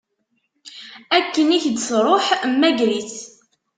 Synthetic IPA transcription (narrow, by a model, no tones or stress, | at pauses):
ækːəniçd̪sɾˤoħmːæɡɾiθ